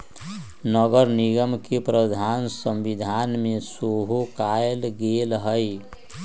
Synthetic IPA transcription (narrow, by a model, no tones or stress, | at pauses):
nəɡəɾniɡəmkepɾəd̪ʱansə̃mbid̪ʱanmesoɦokaelɡelɦəɪ